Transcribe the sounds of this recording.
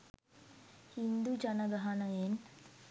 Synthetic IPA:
hind̪ud͡ʒanəɡaɦanəjen

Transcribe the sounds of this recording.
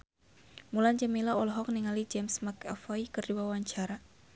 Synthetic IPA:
muland͡ʒamilaɔlɦɔk̚niŋalid͡ʒɛmsmaka̰fɔikɨrdiwawaɲt͡ʃaɾa

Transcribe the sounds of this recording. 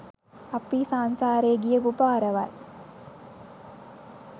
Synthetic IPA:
ɐpːisaːnsaːɾeːɡijɐʋubaːɾɐʋa̰ːl

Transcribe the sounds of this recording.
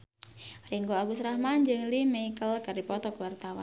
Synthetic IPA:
riŋɡoaɡusɾahmand͡ʒɨŋlimeikəlkardipɔt̪ɔkəwart̪awa̰n

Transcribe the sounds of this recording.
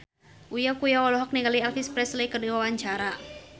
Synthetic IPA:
ʔujakujawalɔɦɔk̚niŋɡalialfispɾɛslɛjkərdiwawaɲt͡ʃaɾa

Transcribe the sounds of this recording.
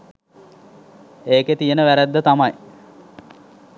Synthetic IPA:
eːket̪ijenəʋæɾæd̪ːət̪amaj

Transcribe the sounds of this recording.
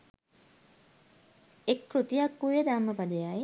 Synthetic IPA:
ekːɾut̪ijakːujəd̪amːəpad̪əjaj

